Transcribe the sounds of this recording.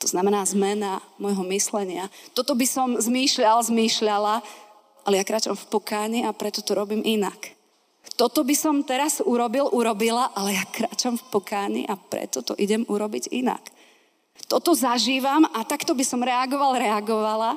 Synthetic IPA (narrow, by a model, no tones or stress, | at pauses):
t̪ɔznamɛnaːzmɛnamɔjɦɔmislɛɲɪat̪ɔt̪ɔbisɔmzmiːʃʎalzmiːʃʎala | ʔalɛjakɾaːt͡ʃamfpɔkaːɲiapɾɛt̪ɔt̪ɔɾɔbiːmʔina̰k | t̪ɔt̪ɔbisɔmt̪ɛɾazuɾɔbilʔuɾɔbilaʔalɛjakɾa̰ːt͡ʃamfpɔkaːɲḭʔapɾɛ̰t̪ɔt̪ɔ̰ʔiɟɛmuɾɔbiɟḭna̰k | t̪ɔt̪ɔzaʒiːʋamat̪akt̪ɔbisɔmɾɛaɡɔʋalɾɛaɡɔʋala